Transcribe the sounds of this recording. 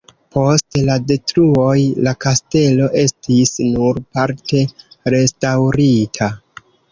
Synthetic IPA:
po̞stlade̞tɾuo̞jlakaste̞lo̞ʔe̞stisnuɾpaɾte̞ɾe̞stawɾitʰa

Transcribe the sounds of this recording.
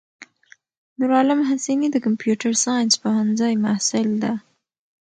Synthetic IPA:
nʊɾɑlɪmɦasinid̪əkampjuʈaɾsɑjnspahanzajmahsɪld̪a

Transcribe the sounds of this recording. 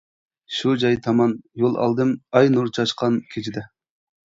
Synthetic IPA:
ʃud͡ʒɑjt̪ʰɑmɑnjolˠɑ̰lˠd̪ɨmɑjnuɾt͡ʃʰɑʃqʰɑnkʲʰet͡ʃʰid̪ɛ

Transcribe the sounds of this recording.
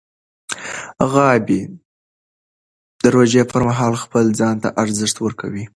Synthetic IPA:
ɣɑbi | d̪̥əɾod͡ʒepəɾmaɦɑlxpəld͡zɑnt̪a̰ʔaɾzəʂt̪wəɾkʰa̰wi

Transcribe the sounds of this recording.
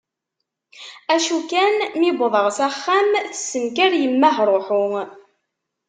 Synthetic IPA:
æʃukænmibəðˤəʁsæχːæmθə̥sːəmkæɾjəmːæɦɾˤoħʊŋ

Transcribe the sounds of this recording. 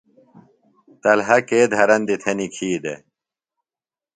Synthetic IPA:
t̪ɐlɦɐkeːd̪ʱɐɾɐnd̪it̪ʰenikʰiːd̪ḛ

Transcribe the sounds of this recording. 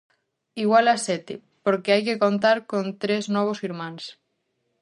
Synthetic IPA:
iɣwalasɛt̪e | poɾkeajkekont̪̬aɾkõnt̪ɾeznɔβ̞osiɾmãŋs

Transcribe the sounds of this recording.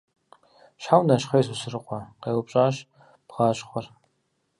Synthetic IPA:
ɕħawnɐɕχejsusɨrɨqʷɔqeːwʊpɕʼaːɕ | pʁɑːɕχʷɔr

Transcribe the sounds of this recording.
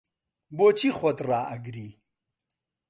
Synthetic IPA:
boːt͡ɕʰixot̪ɾaːɐɡɾiː

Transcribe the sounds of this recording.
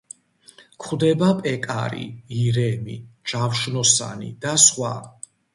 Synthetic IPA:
kʰχwd̪ɛbapʼɛkʼa̰ɾḭiɾɛmḭd͡ʒafʃnɔsa̰nḭd̪asχwa̰

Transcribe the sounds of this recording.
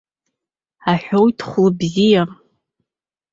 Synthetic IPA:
aħʷᶣowjtʰχʷlbzija

